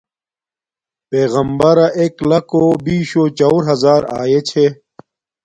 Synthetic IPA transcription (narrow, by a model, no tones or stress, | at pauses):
peːɣɐmbɐɾaʔeːklɐkobiːɕot͡ɕɐwɾɦɐzaːɾa̰ːjet͡ɕʰe